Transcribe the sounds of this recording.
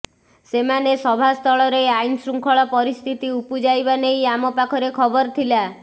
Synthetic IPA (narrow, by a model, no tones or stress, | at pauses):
semanesɔbʱast̪ʰɔɭɔɾeajnsɾuŋkʰɔɭɔpɔɾist̪ʰit̪iupud͡ʒajbanejamɔpakʰɔɾekʰɔbɔɾt̪ʰila